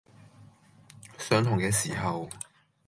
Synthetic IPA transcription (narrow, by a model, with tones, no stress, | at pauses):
sœː˨˥ŋt̪ʰʊ˨˩ŋkɛː˧siː˨˩hɐ˨w